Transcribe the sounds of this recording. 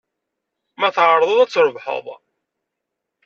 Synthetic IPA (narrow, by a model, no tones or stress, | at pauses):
mæθʕəɾˤðˤoðˤæt͡sːɾəvħə̰ðˤ